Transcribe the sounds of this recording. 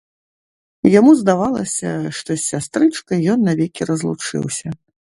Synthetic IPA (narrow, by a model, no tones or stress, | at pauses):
jamuzd̪avalˠɐsʲɐ̰ʂt̪ɔsʲːast̪ɾɨt͡ʂkɐjɔnːɐvʲɛkʲirɐzlˠut͡ʂɨ̰wsʲɐ